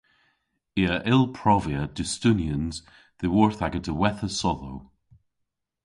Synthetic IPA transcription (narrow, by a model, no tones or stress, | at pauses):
iəʔɪlˠpʰɹ̥ɔviəd̥ɪstʉnjə̃nz̥ | ðewɔɹθaɡə̃ntʰəwɛθəsɔðow